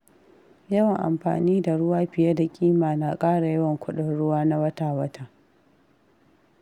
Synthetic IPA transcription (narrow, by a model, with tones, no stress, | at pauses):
jɐ˦wɐ˨ŋʔa̰˨mɸa̰ː˨niː˦da˨ɽʊ˦waː˦ɸɪ˨ja˦da˨kʲʼiː˦maː˨na˨kʼaː˦ɽa˨jɐ˦wɐ˨ŋkʷʰʊ˦ɗɪ˨nɽʊ˦waː˦na˦wɐ˦taː˨wɐ˦taː˨